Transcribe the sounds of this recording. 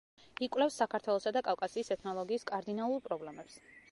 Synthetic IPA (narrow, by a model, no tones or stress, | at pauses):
ikʼwlɛfsːakʰaɾt̪ʰwɛlˠɔsad̪akʼafkʼasiːsɛt̪ʰnɔlˠɔɡiːskʼaɾd̪inalˠuɾpʼɾɔblɛmɛps